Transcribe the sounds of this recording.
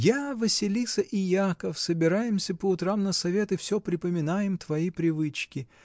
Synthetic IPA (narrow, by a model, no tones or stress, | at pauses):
javəsʲɪlʲisəʔɪjakəfsəbʲɪɾajɪmsʲəpəʊt̪ɾamnəsɐvʲet̪ɪfsʲopɾʲɪpəmʲɪnajɪmt̪vɐipɾʲɪvɨt͡ɕkʲɪ